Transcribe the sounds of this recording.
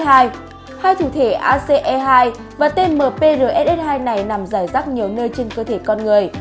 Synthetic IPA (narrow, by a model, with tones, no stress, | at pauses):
aː˧j | haː˧jt̪ʰṵ˧˩t̪ʰe˧˩ʔaː˧se˧ʔɛ˧ɦaː˧j | vaː˨˩t̪e˧nməː˨˩pe˧zəː˨˩ʔɛ˦˥t̚ʔɛ˦˥t̚haː˧jna˨˩jna˨˩mzaː˧˩jzaː˦˥k̚ɲi˨˩əwnəː˧jt͡ɕe˧nkəː˧t̪ʰe˧˩kɔ˧nŋɨ˨˩əj